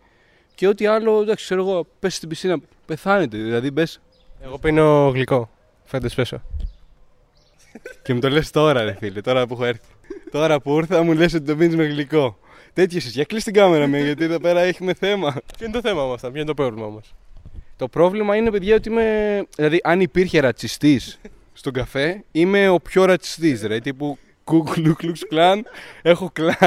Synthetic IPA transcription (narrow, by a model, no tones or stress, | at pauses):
ceo̞t̪iɐlo̞d̪ɐksi̥kse̞ɾoɣo̞pe̞sst̪ibisinɐ | pe̞θɐne̞t̪eðilɐðibe̞s | eɣo̞pinoɣliko̞ | fend̪espeso̰ | cemut̪o̞le̞st̪o̞ɾɐeθilet̪oɾɐpuxoeɾθi̥t̪o̞ɾɐpuuɾθɐmules̬o̞t̪it̪ominizmeɣliko̞ | t̪e̞t̪çosisçɐklist̪iɡɐme̞ɾɐmeʝɐt̪̬ieðo̞pe̞ɾɐeçime̞θe̞mɐpçoint̪oθe̞mɐmɐst̪ɐpçoint̪pɾo̞vlimɐmɐst̪o̞pɾo̞vlimɐinepe̞ðʝɐo̞t̪iime̞ðilɐðiʔɐnipiɾçe̞ɾɐt͡sist̪isː | t̪o̞ɡɐfe̞ime̞o̞pço̞ɾɐt͡si̥st̪isðilɐðit̪ipu | ɡ̥uɡlukluksplɐne̞xo̞klɐ